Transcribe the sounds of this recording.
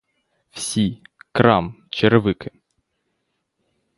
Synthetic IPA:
wsʲikɾɑ̰mt͡ʃeɾɪʋɪkɪ

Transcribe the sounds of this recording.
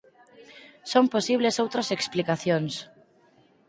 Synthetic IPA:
somposiβ̞lesowt̪ɾaseksplikaθjons

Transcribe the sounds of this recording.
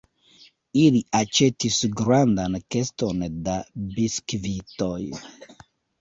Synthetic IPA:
iliʔat͡ʃetisɡɾandankestondabiskvitoj

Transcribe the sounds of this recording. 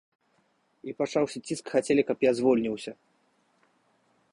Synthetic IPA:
ipat͡ʂawsʲɐt͡sʲiskxat͡sʲelʲikɐpjazvɔlʲnʲiwsʲɐ

